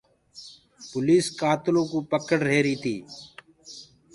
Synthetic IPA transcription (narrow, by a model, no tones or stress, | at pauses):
pʊliːskaːt̪ɪlõːkuːpəkəɽɾeːɾiːt̪ʰiː